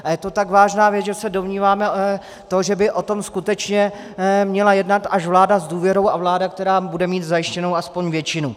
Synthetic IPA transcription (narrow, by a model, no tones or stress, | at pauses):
ʔajɛt̪o̞t̪aɡvaːʒnaːvjɛt͡sʒɛsɛdo̞mɲiːvaːmɛ | t̪o̞ʒɛbɪʔo̞t̪o̞mskut̪ɛt͡ʃɲɛ | mɲɛlajɛdnat̪aʃvlaːdazduːvjɛɾo̞wavlaːdakt̪ɛɾaːbudɛmiːt̪zajɪʃcɛno̞waspo̞ɲvjɛt͡ʃɪnu